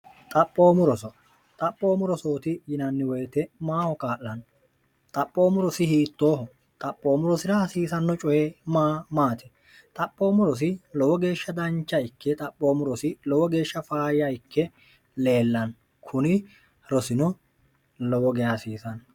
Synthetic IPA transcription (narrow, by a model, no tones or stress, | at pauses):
t̪ʼɐpʼːo̞ːmʊɾɔsɔ | t̪ʼɐpʼːo̞ːmʊɾɔsoːt̪ɪjɪnɐnːɪwɔjt̪ɛmaːhɔkaːʔːɐn | t̪ʼɐpʼːo̞ːmʊɾɔsɪhiːt̪ːo̞ːɦɔ | t̪ʼɐpʼːo̞ːmʊɾɔsɪɾɐɐsiːsɐnːɔt͡ʃʼɔjeːmaːmaːt̪ʰɛ̥ | t̪ʼɐpʼːo̞ːmʊɾɔs̬ɪlɔwɔɡe̞ːʃːɐd̪ɐnt͡ʃːɐɪkːɛt̪ʼɐpʼːo̞ːmʊɾɔsɪlɔwɔɡe̞ːʃːɐfaːjɐɪkːɛ | le̞ːlːɐn | kʰʊnɪ | ɾɔsɪnɔ | lɔwɔɡɛjasiːsɐn